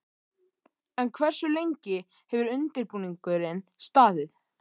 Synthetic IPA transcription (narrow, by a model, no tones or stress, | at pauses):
ɛnkʰvɛr̥sʏlejɲcɪ | hɛvʏɾʏnt̪ɪɾpuːniŋkʏɾɪnst̪aːðɪθ